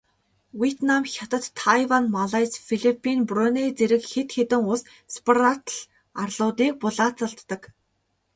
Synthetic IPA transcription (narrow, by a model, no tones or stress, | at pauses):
wiet̪namxʲat̪ə̆t̪ʰːajwanmaɮajsfiɮipʰːinprɔnet͡seɾɘ̆kxet̪xet̪ɘ̆ŋʊs | spʰarat̪ɮ | arɮʊːt̪iːk̚pʊɮaːt͡saɮt̪ːə̆k